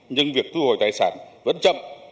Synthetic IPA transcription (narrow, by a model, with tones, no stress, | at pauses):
ɲɨ˧ŋvi˨˩ək̚t̪ɨ˧ho̰˧˩˨jt̪aː˨˩jsaː˧˩nvə̰˧˥nt͡ɕə̰˧˨m